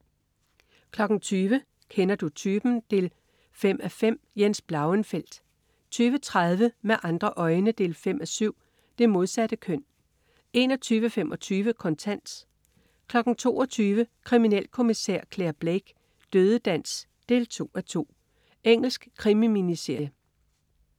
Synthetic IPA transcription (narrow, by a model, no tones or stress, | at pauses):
kʰlɒ̽ɡ̥n̩t͡sʰyːʋə | kʰenɐd̥ut͡sʰyːb̥n̩d̥e̝l | fem̰æfem̰jensb̥lɑ̈ʊənfel̰d̥ | t͡sʰyːʋət͡sʰʁað̞ˠʋəmeʔɑ̈nd̥ʁɐʔɒ̽ɪnəd̥e̝̰ːlfem̰æsyʊ̰ | d̥e̝mo̝ð̞ˠsæd̥əkʰøn̰ | e̝ːnɒ̽t͡sʰyːʋəfemʔɒ̽t͡sʰyːʋəkʰɒ̽nt͡sʰæn̰s | kʰlɒ̽ɡ̥n̩t͡sʰo̝̰ːɒ̽t͡sʰyːʋəkʰʁiminel̰kʰo̝misɛ̰ɐ̰kʰleːɐb̥leɡ̥ | d̥øːð̞ˠəd̥æn̰s | d̥e̝̰ːlt͡sʰo̝̰ːæt͡sʰo̝̰ː | eŋ̰l̩sɡ̥kʰʁimiminiseɐ̰j